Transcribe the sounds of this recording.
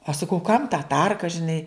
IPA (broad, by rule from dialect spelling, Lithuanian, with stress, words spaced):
ɐʃ sɐˈkɐʊ kɐm tɐ ˈtɐrkɐ ʒʲɪˈnɐɪ